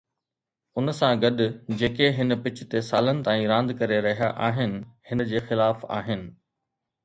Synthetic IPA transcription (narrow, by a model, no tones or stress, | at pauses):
ʊnsãɡɐɗʊ̆d͡ʑeːkeɦɪnpɪt͡ɕt̪esaːlənɪ̆t̪ãːĩɾãːnd̪kɐɾeɾɐɦijaʔaːɦɪnɪ̆hɪnəd͡ʑeːxɪlaːfa̰ːɦɪnɪ̆